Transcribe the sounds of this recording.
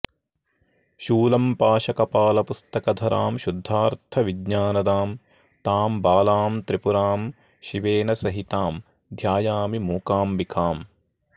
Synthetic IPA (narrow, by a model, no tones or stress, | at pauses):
ʃuːlɐmpaːʃɐkɐpaːlɐpust̪ɐkɐd̪ʱɐɾʔa̰ːmʃud̪ʱːaːɾt̪ʰɐʋiɡɲaːnɐd̪aːm | t̪aːmbaːlaːmt̪ɾipuɾaːm | ʃiʋeːnɐsɐɦit̪aːm | d̪ʱjaːjaːmimuːkaːmʋikaːm